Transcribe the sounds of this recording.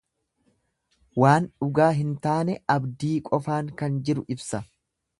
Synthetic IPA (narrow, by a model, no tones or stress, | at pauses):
waːnᶑʊɡaːɦɪnt̪aːnɛɐbd̪iːkʼɔfaːŋkɐnd͡ʒɪɾʊʔɪbsɐ